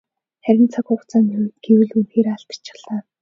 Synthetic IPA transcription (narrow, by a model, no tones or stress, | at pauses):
χæɾʲɪ̆nt͡sʰakʊχt͡saːnɡ̥ewɘ̆ɮunxeːɾaɮt̪ḁt͡ɕɪ̥̆χɮaː